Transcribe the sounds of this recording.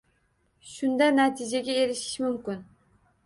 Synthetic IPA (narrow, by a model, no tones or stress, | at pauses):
ʃʊnd̪anat̪ʰɪd͡ʒaɡʲae̞ɾɪʃɪ̥ʃmʊmkʲʊn